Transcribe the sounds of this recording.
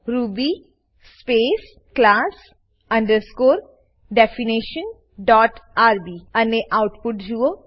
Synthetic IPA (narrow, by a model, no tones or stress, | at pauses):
ɾuːbi | speːs | klaːs | ɐ̃ɳɖəɾskoːɾ | ɖɛfiniʃən | ɖɔːʈaːɾbiɐneʔaʊʈpʊʈd͡ʒuo